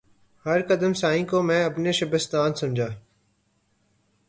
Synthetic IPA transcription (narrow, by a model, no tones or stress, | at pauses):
həɾkəd̪əmsaːĩːkoːmɛ̃ːəpneːʃəbəst̪aːnsʊmd͡ʒʱaː